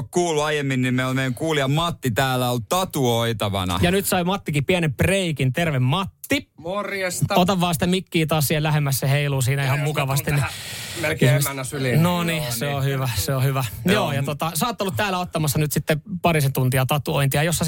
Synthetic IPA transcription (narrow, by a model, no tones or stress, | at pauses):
kkuːluɑjemːinnimmeiolmejæŋkuːliɑmɑt̪ːit̪æːlːæoltt̪ɑt̪uoit̪ɑʋɑ̰nɑ̰jɑnyt̪sɑimɑt̪ːikipiænempreikint̪erʋemmɑt̪ːiorjest̪ot̪ɑʋʋɑːsi̥t̪ːæmikːiːt̪ɑːssihelæhemːæsseheiluːsiːnæihɑmmukɑʋɑst̪innielnsylinoniseohyʋæseohyʋæjoːjɑot̪ɑsɑːt̪ːolːut̪t̪æːlːæot̪ːɑmɑsːɑnyt̪sit̪ːepɑrisent̪unt̪iɑt̪ɑt̪ːuoint̪iɑjosːɑ